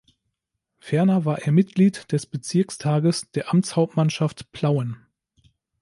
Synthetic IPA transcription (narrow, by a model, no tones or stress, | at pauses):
fɛɐnɐvaːɐʔeːɐmɪtɡ̥liːtd̥ɛsb̥ət͡sɪɐkstʰaːɡəsd̥eːɐʔamt͡shaʊp̚tmanʃaftpʰl̥aʊən